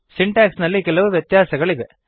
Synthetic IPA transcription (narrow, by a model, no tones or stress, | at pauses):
sɪɳʈaːksnɐlːikɛlɐʋɯʋjɛt̪jaːsɐɣɐɭɪʋɛ